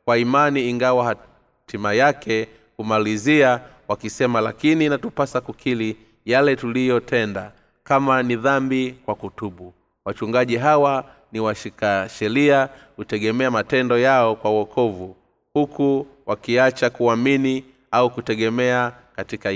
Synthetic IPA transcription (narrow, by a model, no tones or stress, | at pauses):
kwaimaniːŋɡawaha | tʰimajakʰɛ | kumalizia | wakisɛmalakininatupasakukʰili | jalɛtulijɔtʰɛnda | kamaniðambikwakutuɓu | wat͡ʃuŋɡaʄiɦawa | niwaʃikaʃɛɾiakutɛɠɛmɛamatɛndɔjaɔkwawɔkʰɔvu | hukuwakiat͡ʃakuamini | aukutɛɠɛmɛa | katika